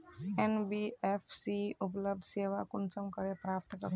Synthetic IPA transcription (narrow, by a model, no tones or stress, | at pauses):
enbiefʰsiupɔlɔb̚d̪sewakunsɔmkɔɾepɾap̚t̪kɔ̰ɾ